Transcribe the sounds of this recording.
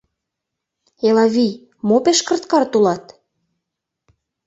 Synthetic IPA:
elɑβij | mopeʃkə̆rt̪̚kɑrt̪ulɑt̪

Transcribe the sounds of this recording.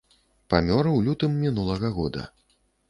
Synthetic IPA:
pamʲɔɾɨwlʲut̪ɨmːʲinulˠɐɣɐɣɔd̪ɐ̰

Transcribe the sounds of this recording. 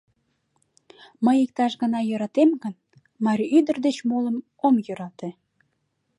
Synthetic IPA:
məjik̚t̪ɑʃɣənɑjøɾɑt̪emɡən | mɑɾʲiyd̪ərd̪et͡ɕmoləm | omjøɾɑt̪e

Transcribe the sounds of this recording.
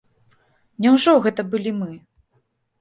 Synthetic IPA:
nʲɛwʐɔɣɛt̪ɐbɨlʲimɨ

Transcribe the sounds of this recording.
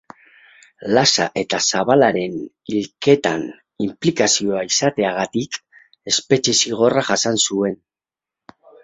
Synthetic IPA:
lasa̰ʔe̞t̪asaβalaɾe̞n | ilke̞t̪a̰n | implikasio̞aisat̪e̞aɣ̞at̪ik | e̞spe̞t͡ʃe̞siɣ̞o̞raʝasansue̞n

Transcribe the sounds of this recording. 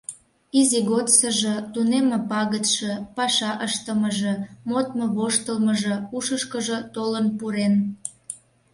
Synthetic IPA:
iziɣot̪səʒə̆t̪unemĕpɑɣət̪ʃĕpɑʃɑʔəʃt̪əməʒemot̪məβoʃt̪əlməʒĕuʃəʃkəʒət̪olənpuɾen

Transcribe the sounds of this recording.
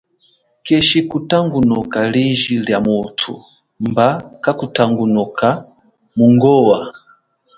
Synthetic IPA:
kɛʃikutaŋɡunɔkaliʒiljamutʰṵ | mbakakutaŋɡunɔka | muŋɡɔwa

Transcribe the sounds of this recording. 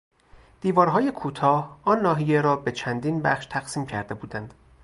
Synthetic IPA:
d̪̥iːvɒːɾɦɒːje̞kʰuːt̪ʰɒːhɒːnːɒːɦije̞ɾɒːbe̞t͡ʃʰænd̪iːnbæ̰χʃt̪ʰæɣ̥siːmcʰæ̰ɾd̪e̞buːd̪ænd̪̥

